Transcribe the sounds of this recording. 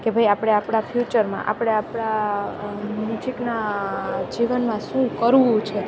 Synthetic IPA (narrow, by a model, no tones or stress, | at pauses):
kebʱajapɽ̃eapɽ̃afʰjut͡ʃəɾmã̰ʔa̰pɽ̃eapɽa | nit͡ʃʰikna | d͡ʒiʋənmãʃũkəɾʋũt͡ʃʰe